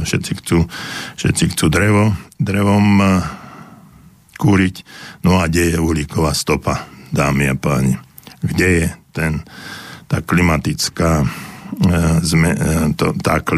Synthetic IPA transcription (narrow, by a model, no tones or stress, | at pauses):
ʃɛt̪t͡sixt͡suːʃɛ̰t̪t͡sixt͡suːd̪ɾɛʋɔd̪ɾɛʋɔm | kuːɾicnɔaɡɟɛjɛulikɔʋaːst̪ɔpad̪aːmia̰paːɲi | ɡɟɛjɛt̪ɛnt̪a̰ːklimat̪it͡skaː | zmɛt̪ɔt̪a̰ːk